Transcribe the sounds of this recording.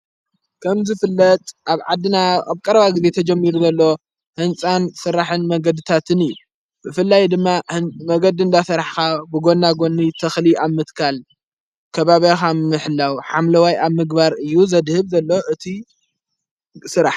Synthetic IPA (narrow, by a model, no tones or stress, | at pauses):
kʰɐmzɨfɨlːɐt̪ʼʔaβʕad̪ːɨnaaβkʼɐɾɐβaɡize̞t̪ʰɐd͡ʒɛmːiɾuzɐlːo | hɨnt͡sʼansɨɾːaħɨnmɐɡɐd̪ɨt̪ʰat̪ʰɨnɨjːu | bɨfɨlːajd̪ɨmːamɐɡɐd̪iɨnd̪asɐɾaħkabɨɡo̞nːaɡo̞nːit̪ʰɐxliaβmɨt̪kʰal | kʰɐβaβjaxamɨħlːawħamlɐwajaβmɨɡbaɾɨjːuzɐd̪hɨβzɐlːo̞ʔɨt̪ʰi | sɨɾaħ